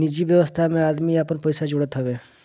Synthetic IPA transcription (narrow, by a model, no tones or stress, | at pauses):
nid͡ʒibjəʋəst̪ʰamẽaːd̪miapənpəjsad͡ʒoɽət̪ɦɔbe